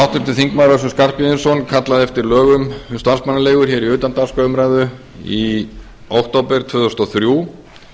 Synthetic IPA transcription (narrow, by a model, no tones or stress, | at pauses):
awht̪ʏnt̪ɪθiŋkmawɾasʏmskar̥pɪðɪnsɔnkʰat̪laðɪɛft̪ɪɾlœːɣʏmst̪ansmanːaleːjɣʏɾ̥çɛːɾiʏːt̪ant̪ḁskœʏmɾaːjðʏ | i | owht̪owpɛɾ̥t̪ʰvʏːðʏst̪aθɾjuː